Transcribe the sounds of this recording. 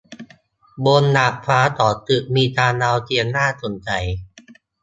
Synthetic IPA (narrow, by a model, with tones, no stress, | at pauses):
bo˧nːa˨˩ʔfʰaː˦˥t̪ɔː˨˩t̪ɯ˨˩ʔ̚miː˧t̪aː˧naː˧wt̪i˧ənːaː˥˩so˨˩˦nt͡ɕa˧j